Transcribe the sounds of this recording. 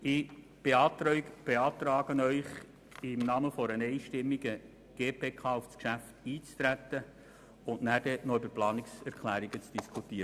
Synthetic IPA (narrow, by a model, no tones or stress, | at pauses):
ɪ | b̥eɑːt̪ɾb̥eɑːt̪ɾɑːɡ̥ənœʏχ | ɪmnɑːməfɔɾənɛɪʃtɪmːiɡ̥ə | ɡ̥eːpʰeːkʰɑːʊfskʃæftiːt͡st̪ɾæt̪ːə | ʊntnæːɾd̥ɛnɔybəɾplɑːnɪksɛɾkʰlæːɾiɡət͡sd̥iskʰut̪iːɾə